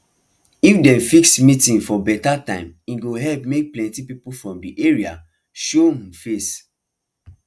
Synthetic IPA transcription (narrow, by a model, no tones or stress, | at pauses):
ifdɛ̃nfiksmitĩŋfɔbɛtatãɪ̃mĩnɡoɦɛlpmek̚plɛ̃ntipipufɹɔ̃mdiʔeɹia̰ | ʃofes